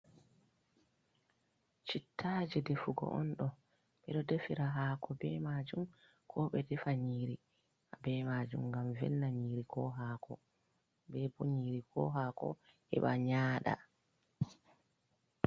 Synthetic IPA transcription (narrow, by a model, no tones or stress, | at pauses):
t͡ʃitʰːad͡ʒɛdefuɡɔ̰ʔɔ̰nɗɔ | ɓɛɗɔdefiɾaɦaːkʰɔbɛmad͡ʒum | kʰɔɓɛdɛfaɲiːɾi | abɛmaːd͡ʒumŋɡamvɛ̰lːaɲiːɾikʰɔɦaːkʰɔ | bɛboɲiɾikʰɔ̰ɦakɔ̰ | hɛ̰ɓaɲaːɗa̰